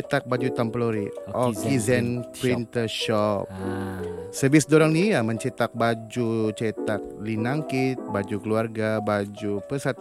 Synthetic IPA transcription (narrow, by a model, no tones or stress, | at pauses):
ɛt̪ak̚bad͡ʒut̪amploɾiɔkizɛnpɾint̪ʃɔp̚ | səbɪsdoɾaŋnijaməɲt͡ʃet̪ak̚bad͡ʒut͡ʃɛt̪ak̚linaŋkit̪̚bad͡ʒukəluarɡabad͡ʒupəsat̪̚